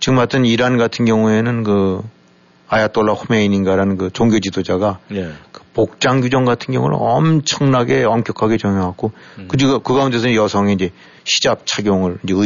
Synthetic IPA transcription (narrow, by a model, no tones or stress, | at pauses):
t͡ɕɯɡɯmat͈ʰɯniɾanɡatʰɯnɡjʌŋue̞nɯnkɯ | ajat͈oɭːaɸume̞ininɡaɾanɯnkɯt͡ɕoŋɡjod͡ʑidod͡ʑaɡakɯ̥pok̚t͡ɕ͈aŋɡud͡ʑʌŋɡatʰɯnɡjʌ̰ŋṵɾ̰ʌmt͡ɕʰʌŋnaɡe̞ʌmk͈jʌkʰaɡe̞t͡ɕʌŋjoɦak͈okɯd͡ʑiɡokɯɡaunde̞sʰʌjʌsʰʌŋeind͡ʑe̞ | ɕʰi̥d͡ʑap̚t͡ɕʰaɡjoŋɯɭiɲd͡ʑe̞ɯ